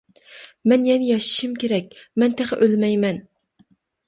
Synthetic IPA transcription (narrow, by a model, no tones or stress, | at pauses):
mɛnjɛnɪjɑʃi̥ʃimkʲeɾɛk̚ʲmɛnt̪ʰæχɨ̰ʔølmɛjmɛn